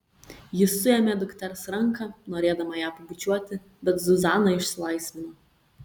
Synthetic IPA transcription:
jɪsːʊɛmʲeːd̪ʊkt̪ʲɛɾsɾɐŋkɑnoːɾʲeːd̪ɐmɐjæːpɐbʊt͡ʃʲuɔt̪ʲɪ | bʲɛt̪zʊzɑːnɐɪʃʲsʲɪlˠɐɪsʲʋʲɪnoː

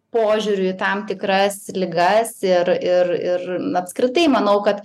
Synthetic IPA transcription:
poːʒʲuɾʲʊt̪ɐmt̪ʲɪkɾɐslʲɪɡɐsɪɾɪrɪrɐpskɾʲɪt̪ɐɪmɐnɐʊkɐt̪

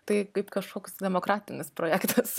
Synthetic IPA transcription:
t̪ɐɪkɐɪpkɐʃkoːkʲsd̪ʲɛmoːkɾɑːt̪ʲɪnʲɪspɾoːjæːkt̪ɐs

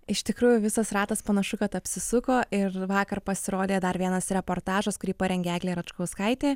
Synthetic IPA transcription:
ɪʃt̪ʲɪkɾuːjʊʋʲɪsɐsrɑːt̪ɐspɐnɐʃʊkɐt̪ɐpʲsʲɪsʊkoːʔɪrʋɑːkɐrpɐsʲɪɾoːd̪ʲeːd̪ɐɾʋʲiɛnɐsɾʲɛpoːɾt̪ɑːʒɐskʊɾʲiːpɐɾʲɛŋɡʲæːɡlʲeːɾɐt͡ʃkɐʊskɐɪt̪ʲeː

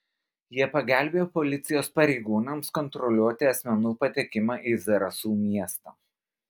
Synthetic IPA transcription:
jiɛpɐɡʲæˑlʲbʲeːjoːpɔlʲɪt̪sʲɪjoːspɐɾʲɛɪɡuːnɐmskɔnt̪ɾɔlʲuɔt̪ʲɪɐsʲmʲɛnuːpɐt̪ʲekʲɪmɑːʔiːzɐɾɐsuːmʲiɛst̪ɐ̰ː

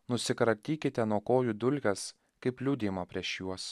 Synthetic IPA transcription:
nʊsʲɪkɾɐt̪ʲiːkʲɪt̪ʲɛnuɔkoːjuːd̪ʊlʲɡʲɛs | kɐɪplʲuːd̪ʲeːmɐpʲɾʲiɛʃjuɔs

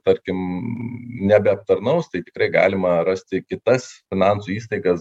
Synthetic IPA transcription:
t̪ɐɾʲkʲɪm | nʲɛbʲɛɐp̚t̪ɐɾnɐʊst̪ɐɪt̪ʲɪ̥kɾɐɪɡɑ̰ːlʲɪmɐrɐsʲt̪ʲɪkʲɪt̪ɐsfʲɪnɑnsuːiːst̪ɐɪɡɐs

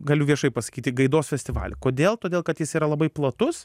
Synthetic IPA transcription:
ɡɐlʲʊʋʲiɛʃɐɪpɐsɐ̥kʲiːt̪ʲɪɡɐɪd̪oːsfʲɛsʲtʲɪʋɑ̰ːlʲɛ̰koːd̪ʲeːlˠt̪oːd̪ʲeːlˠkɐt̪jɪsiːɾɐlˠɐbɐɪplˠɐt̪ʊs

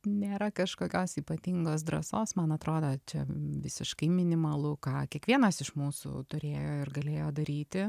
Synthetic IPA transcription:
nʲeːɾɐkɐʃkoːkʲoːsiːpɐt̪ʲɪŋɡoːs̬d̪ɾɐ̰soːsmɐnɐt̪ɾoːd̪ot͡ʃʲɛ̰ʋʲɪ̰sʲɪ̰ʃkɐɪmʲɪnʲɪmɐlˠʊkɑːkʲiɛkʋʲiɛnɐsɪʃmuːsʊ̰t̪ʊɾʲeːjoːɪrɡɐlʲeːjoːd̪ɐɾʲiːt̪ʲɪ

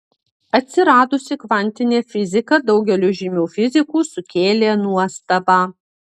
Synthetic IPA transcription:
ɐt̪ʲsʲɪɾɑːd̪ʊsʲɪkʋɐnʲt̪ʲɪnʲeːfʲɪzʲɪkɐd̪ɒʊɡʲɛlʲuʒʲimʲuːfʲɪzʲɪkuːsʊkʲeːlʲeːnuɔst̪ɐbɑː

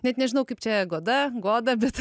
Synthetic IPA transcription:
nʲɛt̪nʲɛʒʲɪnɐʊkɐɪpt͡ʃʲɛɡoːd̪ɐɡoːd̪ɐbʲɛt̪

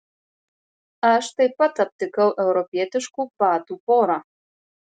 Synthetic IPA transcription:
aʃt̪ɐjpat̪ɐp̚t̪ɨkɐwʔɛwɾɔpʲiɛt̪ɨʃkupaːt̪upoɾa

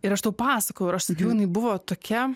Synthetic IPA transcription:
ɪɾɐʃt̪ɐʊpɑːsɐkoːjɛʊɪɾɐʃsɐkʲɛʊjɪnɐɪbʊʋoːt̪oːkʲɛ

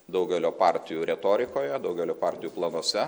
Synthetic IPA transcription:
d̪ɒʊɡʲɛlʲoːpɑːɾʲt̪ʲɪjuːɾʲɛt̪oːɾʲɪkoːjɛd̪ɐʊɡʲɛlʲoːpɑːˑɾʲt̪ʲɪjuːplˠɐnoːsʲɛ

